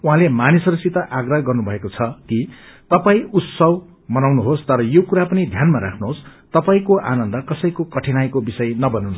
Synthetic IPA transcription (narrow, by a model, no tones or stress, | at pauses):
uɦãlemanisʌɾʌsit̪ʌʔaɡrʌɦɡʌrnubʱʌekot͡sʰʌkit̪ʌpaĩut̪sʌb | mʌnawnuɦost̪ʌɾʌjokuɾapʌnid̪ʱjanmaɾakʰnuɦost̪ʌpaĩkoʔa̰nʌnd̪ʌkʌsʌjkokʌʈʰinajkobisʌjnʌbʌnawnu